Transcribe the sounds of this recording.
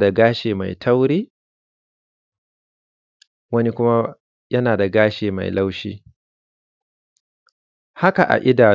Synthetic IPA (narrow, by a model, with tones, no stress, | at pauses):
da˨ɡaː˦ʃeː˨ma̰˨jtʰɐ˦wɽiː˦ | wɐ˦ni˦kʷʊ˦ma˦ | jɐ˦naː˨da˨ɡaː˦ʃeː˨ma̰˨jla˦wʃḭː˦ | ha˦ka˨ʔa̰˨ʔɪ˦daː˨